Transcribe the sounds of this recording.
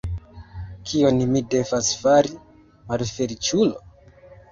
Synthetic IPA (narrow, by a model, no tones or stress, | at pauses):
kʰio̞nimide̞vasfaɾi | malfe̞ɾit͡ʃulo